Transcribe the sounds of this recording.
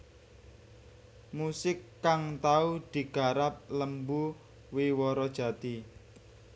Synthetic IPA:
musɪkːaŋt̪aud̪̥i̤ɡ̥a̤ɾap̚ləmbu | wiwɔɾɔd̥ʒ̥ä̤t̪i

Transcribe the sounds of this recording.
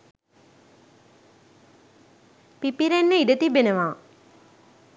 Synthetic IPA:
pipiɾenːəiɖət̪ibenəʋaː

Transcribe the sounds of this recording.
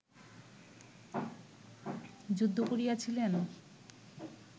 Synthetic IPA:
d͡ʑud̪ʱːokoɾijat͡ɕʰilen

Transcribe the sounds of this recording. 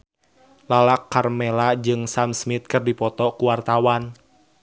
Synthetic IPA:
lalakːarmɛlad͡ʒɨŋsamsmit̪̚kɨrdipɔt̪ɔkuwart̪awan

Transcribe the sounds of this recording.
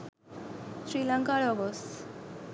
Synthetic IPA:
sɾilaŋkaɾɔɡos

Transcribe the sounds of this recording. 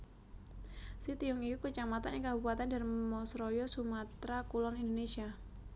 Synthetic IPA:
sit̪iʊŋikukut͡ʃamat̪anɛŋkabupat̪andarimɔsɾɔjɔsumat̪ɾakulɔnindonesia

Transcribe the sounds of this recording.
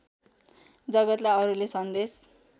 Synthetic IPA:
d͡zʌɡʌt̪laʌɾulesʌnd̪es

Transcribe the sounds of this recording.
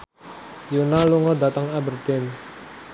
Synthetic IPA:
junaluŋɔdat̪aŋabərt̪ɪn

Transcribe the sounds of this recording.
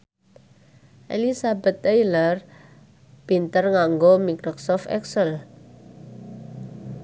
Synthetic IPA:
ʔelisabə̤t̪ːejlər | b̥int̪ərŋaŋɡomikɾɔksɔft̪ɛ̰ksəl

